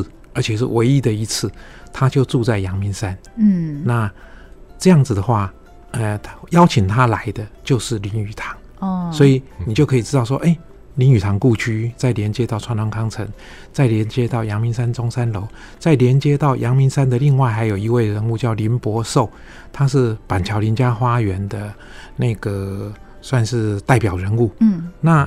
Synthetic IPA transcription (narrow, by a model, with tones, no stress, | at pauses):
ə˞˧˥t͡ɕʰjɛ˨˩ʂ̬ɻ̩̰˥˩we˧˥ɪi˦˥d̪ə˨i˧˥t͡s̩ʰ˥˩ | t̪ʰa˦t͡ɕjo˥˧ʊʈ͡ʂu˥˧t͡sa˥˩ɪjɑ˧˥ŋmi˧˥nsa˦˥n˥na˥˩ | ʈ͡ʂɤ˥˧jɑ˥˩ŋd͡z̩˨˩d̪ə˩xwa˥˩ | ə˧˩jɑ˥ʊt͡ɕʰi˨˩ŋt̪ʰa˦la˧˦ɪd̪ə˧t͡ɕjo˥˧ʊʂɻ̩˥˩li˧˥ny˨˩t̪ʰɑ̥˧˦ŋ | swɔ˧˥i˨˩i˨˩t͡ɕjo˥˩kʰɤ˧˥i˨˩ʈ͡ʂɻ̩˥t̪ɑ˥˩ʊʂwɔ˥ʔe˥˩ɪ | li˧˥ny˨˩t̪ʰɑ˧˥ŋku˥˧t͡ɕʰy˥t͡sa˥˩ɪljɛ˧˥nt͡ɕjɛ˥t̪ɑ˥˩ʊʈ͡ʂʰwa˧˥nt̪ʰʊ˧˥ŋkʰɑ˥ŋt͡sʰə˧˥ŋ | t͡sa˥˩ɪljɛ˧˥nt͡ɕjɛ˥t̪ɑ˥˩ʊjɑ˧˥ŋmi˧˥nsa˥nʈ͡ʂʊ˥ŋsa˥nlo˧˥ʊ | t͡sa˥˩ɪljɛ˧˥nt͡ɕjɛ˥t̪ɑ˥˩ʊjʔɑ˧˥ŋmi˧˥nsa˥nd̪ə˨li˥˧ŋwa˥˩ɪxa˧˥ɪjo˨˩ʊi˧˥we˥˩ɪɻə˧˥nu˥˧t͡ɕjɑ˥˩ʊli˧˥npwɔ˧˥ʂo˥˩ʊ | t̪ʰa˥ʂɻ̩˥˩pa˨˩nt͡ɕʰjɑ˧˥ʊli˧˥nt͡ɕja˥xwa˥ɥɛ˧˦˥nd̪ə˧ | na˥˩ɪɡə˩ | swa˥˧nʂɻ̩˥˧t̪a˥˩ɪpjɑ˨˩ʊɻə˧˦˥nu˥˩˥na˥˩